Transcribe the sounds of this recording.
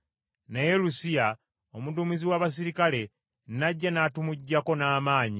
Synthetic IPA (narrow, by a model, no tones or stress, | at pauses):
nejelusija | omudumiziwaβas̬iɾikale̞ | naɟːanatumuɟːako̞naːmaːɲi